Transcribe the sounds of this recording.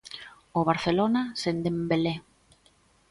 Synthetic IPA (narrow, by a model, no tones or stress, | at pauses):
oβaɾθelonasend̪embele